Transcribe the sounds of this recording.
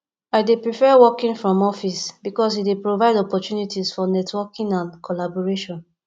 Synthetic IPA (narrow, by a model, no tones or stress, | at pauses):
aɪdepɹifɛwɔkĩnfɹɔ̃mɔfisbikɔs̬idepɹovaɪdɔpɔtjunitʰisfɔnɛtʰwɔkĩŋãnkʰolabɔɹeʃɔ̃n